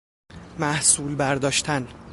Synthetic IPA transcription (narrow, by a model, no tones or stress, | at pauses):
mæhsuːlbæɾd̪ɒːʃt̪ʰæn